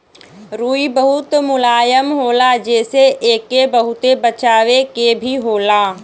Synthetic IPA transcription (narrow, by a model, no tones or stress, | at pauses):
ɾuːibəɦʊt̪mʊlaːjəmɦoːlad͡ʒɛːseʔeːkebəɦʊt̪ebət͡ʃaːwekebʱiɦoːlaː